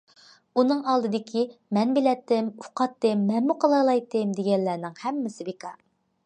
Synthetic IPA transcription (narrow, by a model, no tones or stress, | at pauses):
unɨŋɑlˠd̪ɨd̪ɪkʲʰimɛnbɪlɛt̪ːɪmuqʰɑt̪ːɨmːɛnmːuqʰəlˠɑlˠɑjt̪ːɨmd̪eɡʲɛnlːæːnɪŋhɛmːɪsɪbekʰɑ